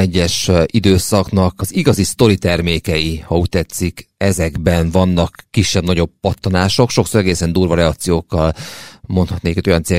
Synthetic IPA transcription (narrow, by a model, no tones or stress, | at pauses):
ɛɟːɛʃʔid̪øːsɒknɒkɒziɡɒzist̪o̞ɾit̪ɛrmeːkɛjihɒuct̪ɛt̪sikɛzɛɡbɛnvɒnːɒkːiʃːɛbnɒɟo̞bːɒt̪ːonaːʃo̞kʃo̞ksoːɾɛɡeːsɛnd̪uːrvɒɾɛɒkt̪sijoːkːɒlmo̞nt̪hɒt̪neːkɛt̪ojɒnseː